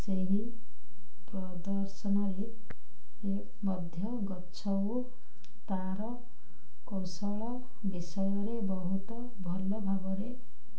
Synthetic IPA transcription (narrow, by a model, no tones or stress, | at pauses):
t͡seɦi | prʌd̪ʌrsʌnʌɾe | re | mʌd̪ʱjʌɡʌtt͡sʰʌw | t̪aɾʌ | kɔwsʌɭʌ | bisʌjʌɾebʌɦut̪ʌ | bʱʌlːobʱabʌɾe